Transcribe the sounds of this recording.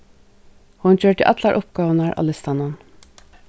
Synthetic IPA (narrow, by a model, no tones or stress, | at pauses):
hʊnc͡çøːʈɪ̰ʔɑt̪ʰlɑɾʔʊp̚ɡ̥ɑːʋənɑɹʔɑ̰lɛst̪ɑnɑn